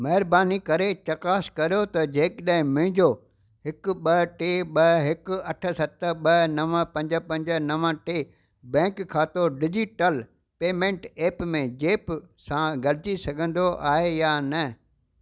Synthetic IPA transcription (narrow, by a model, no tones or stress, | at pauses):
mɐɦɪɾbaːnikɐɾet͡ɕɐkaːskɐɾijot̪ɐd͡ʑeːkɗɐɦɪ̃mʊ̃ɦɪ̃ɲd͡ʑo | hɪkʊɓɐʈeːɓɐɦɪkʊɐʈʰə̆sɐt̪əɓɐnɐʋəpɐ̃ɲd͡ʑəpɐ̃ɲd͡ʑə̆nɐʋə̃ʈeː | bɛ̃ːkkʰːaːt̪oɖɪd͡ʑiʈəl | peːmẽɳʈeːpmẽd͡ʑeːpsãɡɐɽɪt͡ɕisɐɡʱə̃nd̪oʔaːɦejaːnɐ